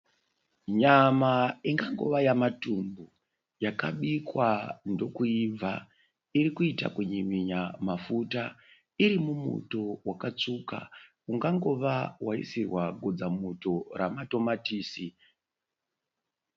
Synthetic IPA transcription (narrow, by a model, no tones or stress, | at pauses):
ɲamaiŋɡaŋɡo̞̰ʋajamatumbu | jakaɓikwando̞kuib͡va | iɾikuita̰kuɲimiɲamafuta | iɾimumṵto̞wakat͡suka̰ | uŋɡaŋɡo̞ʋawaḭsirwaɡʱod͡zamuto̞ramato̞matiːsi